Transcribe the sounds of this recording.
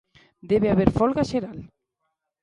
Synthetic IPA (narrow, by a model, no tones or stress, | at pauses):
d̪eβeaβeɾfɔlɣaʃeɾal